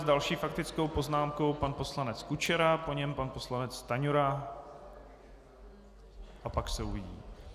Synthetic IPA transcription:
zdalʃiːfak̚t̪ɪt͡sko̞wpo̞znaːmko̞wpanpo̞slanɛt͡skut͡ʃɛɾapo̞ɲɛmpanpo̞slanɛt͡st̪aɲuɾa | ʔapaksɛuvɪɟḭː

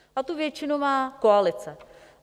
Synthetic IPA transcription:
ʔat̪uvjɛt͡ʃɪnumaːkoalɪt͡sɛ

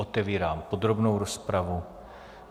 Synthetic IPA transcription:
ot̪ɛviːɾaːmpod̪ɾobnowɾospɾavu

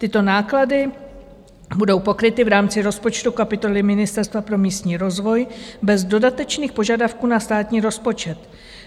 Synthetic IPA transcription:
t̪ɪt̪o̞naːkladɪ | budo̞wpo̞kɾɪt̪ɪvɾaːmt͡sɪɾo̞spo̞t͡ʃt̪ukapɪt̪o̞lɪmɪnɪst̪ɛɾst̪vapɾo̞miːst̪ɲiːɾo̞zvo̞jbɛzdo̞dat̪ɛt͡ʃniːxpo̞ʒadafkuːnast̪aːt̪ɲiːɾo̞spo̞t͡ʃɛt̪

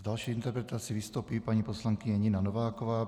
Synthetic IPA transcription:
ɟalʃɛjint̪ɛɾpɾɛt̪aːt͡siʋist̪uːpiːpaɲipɔslaŋkiɲɛɲinanɔʋaːkɔʋaː

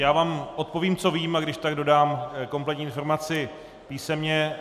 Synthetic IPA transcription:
jaːvaːmʔo̞t̪̚po̞viːmt͡so̞viːmaɡdɪʃt̪aɡdo̞daːmko̞mplɛt̪ɲiːɪnfo̞ɾmat͡sɪ | piːsɛmɲɛ

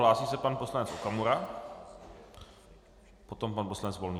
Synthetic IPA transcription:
laːsiːsɛpanposlanɛt͡sokamuɾa | pot̪o̞mpanposlanɛt͡svo̞lɲi

